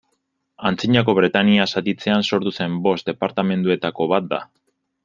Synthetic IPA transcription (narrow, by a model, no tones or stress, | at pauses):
ant͡siɲako̞β̞ɾe̞t̪aniasat̪it͡se̞anso̞ɾt̪use̞mbo̞st̪d̪e̞paɾt̪ame̞nd̪ue̞t̪ako̞βat̪̚d̪a̰